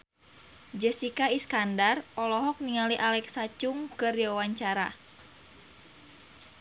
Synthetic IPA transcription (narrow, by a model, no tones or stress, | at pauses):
d͡ʒəsikaiskandarɔlɔɦɔk̚niŋaliʔalɛksat͡ʃuŋkɨriwawaɲt͡ʃaɾa̰